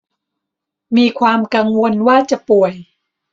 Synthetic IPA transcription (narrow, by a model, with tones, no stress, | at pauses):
miː˧kʰwaː˧mka˧ŋwo˧nwaː˥˩t͡ɕa˨˩pu˨˩əj